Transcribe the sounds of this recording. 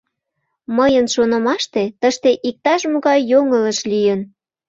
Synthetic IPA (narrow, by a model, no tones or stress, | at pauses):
məjənʃonə̆mɑʃt̪et̪əʃt̪eʔik̚t̪ɑʃmoɣɑjːoŋələʃlijən